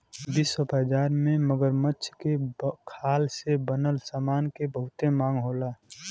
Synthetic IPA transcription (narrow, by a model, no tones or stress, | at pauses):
bisɔpəd͡ʒaːɾmẽməɡəɾmətːʃʰkekʰaːlsebənəlsaːmaːnkebəɦʊt̪emãːŋɡɦoːlaː